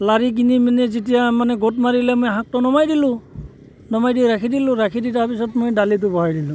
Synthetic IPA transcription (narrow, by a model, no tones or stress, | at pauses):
laɹik̬iniminɛzitijamanɛɡotmaɹilɛmojɦãk̚tɔnɔmajdilʊ̃ | nɔmajdiɹakʰidilʊ̃ɹakʰiditapisɔtmojdalit̬ʊbɔɦajdilʊ̃